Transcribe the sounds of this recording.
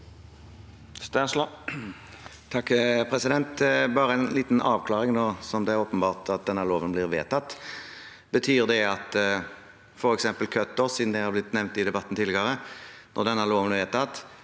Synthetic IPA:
st̪ | t̪ʰɑkːpʰɾɛsɪd̪ɛnt̪bɑːʁəɛnliːt̪n̩ɑːʋkʰlɑːʁɪŋnoːsɔmd̪ɛæɾoːpənbɑːʁt̪ʰɑt̪̚d̪ɛnːəloːʋənblɪʁʋḛːt̪ʰɑt̪ː | bət̪ʰyːʁd̪ɛɑt̪ | fɔɾɛksɛmpəlkʰøt̪ːɔʁsiːd̪nd̪ɛhɑɾblɪt̪nɛʋnt̪ɪd̪ɛbɑt̪ːn̩t̪ʰɪlːɡɑʁənʔɔʁd̪ɛnːəloːʋənɪʋeːt̪ɑt̪ː

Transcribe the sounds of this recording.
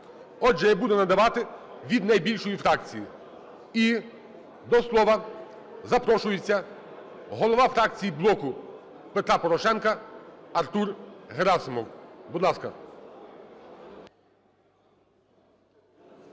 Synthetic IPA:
ɔd͡ʒɛjabud̪ɛnɐd̪ɐʋɑt̪ɪʋʲid̪nɐjbʲilʲʃɔjifɾɑk̚t͡sʲiji | i | d̪ɔslˠɔʋɐ | zɐpɾɔʃʊjɪt͡sʲːɐ | ɦɔlˠɔʋɑfɾɑk̚t͡sʲijiblˠɔkʊ | pet̪ɾɑpɔɾɔʃɛnkɐɐrt̪urɦeɾɑsɪmɔwbud̪lˠɑskɐ̰

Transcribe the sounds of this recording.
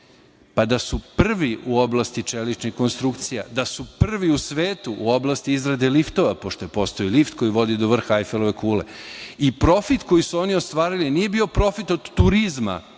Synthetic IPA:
pad̪asupr̩ʋiuo̞blˠast̪it͡ʃelit͡ʃnixko̞nst̪ɾukt̪sija̰d̪asupr̩ʋiusʋeːt̪uʔuo̞blˠast̪iizɾad̪e̞lift̪o̞ʋapo̞ʃt̪o̞je̞po̞st̪o̞ilift̪ko̞jiʋo̞d̪id̪oʋr̩xajfeloʋekuːle̞̰ipɾo̞fit̪ko̞jisuo̞niost̪ʋaːɾilinije̞bio̞pɾo̞fit̪o̞d̪ːuɾizma̰

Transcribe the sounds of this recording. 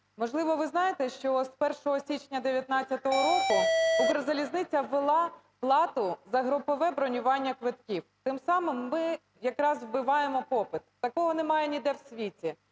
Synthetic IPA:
mɔʒlˠɪʋɔʋɪznɑjet̪ɛʃt͡ʃɔspɛrʃɔɦɔsʲit͡ʃnʲɐd̪eʋʲjɐt̪nɑt͡sʲːɐt̪ɔɦɔɾɔkʊʊɦɾɔzɐlʲiznɪt͡sʲɐʋelˠɑ | plˠɑt̪ʊzɐɦɾɔpɔʋɛbɾɔnʲʊʋɑnʲːɐkʋɪt̪kʲiwt̪ɪmsɑmɪmːɪ | jɐkɾɑzwbɪʋɑjemɔpɔpɪt̪ːɐkɔɦɔnemɑjenʲid̪ɛwsʲʋʲitʲi

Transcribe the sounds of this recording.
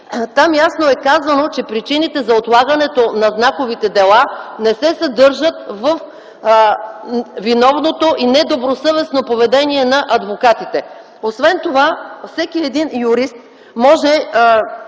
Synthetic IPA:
t̪amjasnoɛkazɐnot͡ʃɛpɾit͡ʃinit̪ɛzɐot̪lˠaɡɐnɛt̪onɐznakovit̪ɛd̪ɛlˠanɛsɛsɐd̪ɤɾʒət̪vəf | vinɔvnot̪oʔinɛd̪obɾosɤvɛsnopovɛd̪ɛniɛnɐʔɐd̪vokat̪it̪ɛ | osvɛnt̪ovafsɛkiɛd̪injuɾist̪ | mɔʒɛ

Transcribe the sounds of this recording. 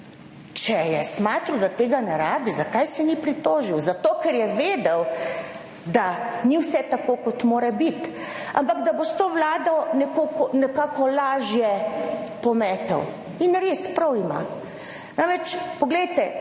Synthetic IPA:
t͡ʃɛjɛsmaːt̪ɾud̪at̪eːɡanɛɾaːbizakajsɛnipɾit̪oːʒiwzat̪oːkɛɾjɛʋeːd̪ɛw | d̪aniwsɛt̪akoːkɔt̪moːɾɛbit̪ | a̰mpaɡd̪abost̪oːwlaːd̪ɔnɛkoːkɔnɛkaːkɔlaːʒjɛpɔmɛːt̪ɔ̰w | inɾespɾɐwima̰ | nanʋɛt͡ʃpɔɡlɛjt̪ɛ

